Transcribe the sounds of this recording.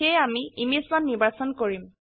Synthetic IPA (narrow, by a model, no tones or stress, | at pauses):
ejamiimislanːiɹbasɔnkoɹim